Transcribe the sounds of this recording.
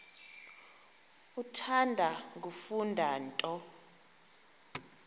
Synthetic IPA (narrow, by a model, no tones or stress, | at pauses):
utʰandʱaŋɡufundʱaːntʼɔ